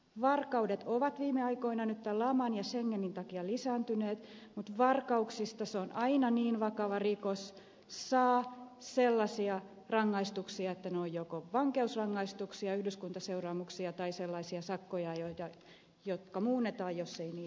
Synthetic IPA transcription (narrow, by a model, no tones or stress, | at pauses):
ʋɑrkɑudet̪oʋɑt̪ʋiːmeɑikoinɑnyt̪t̪ːælɑmɑnjɑseŋːenːint̪ɑkiɑlisæːnt̪yneːt̪mut̪ʋɑrkɑuksist̪ɑseonʔɑinɑniːnʋɑkɑʋɑrikos | sːɑːselːɑsiɑ | rɑŋːɑist̪uksiɑet̪ːænojjokoʋɑŋkeusrɑŋːɑist̪uksiɑyhdyskunt̪ɑseurɑːmuksiɑt̪ɑiselːɑisiɑsɑkːojɑjot̪ɑ | jot̪kɑmuːnːet̪ɑːjjosːeiniː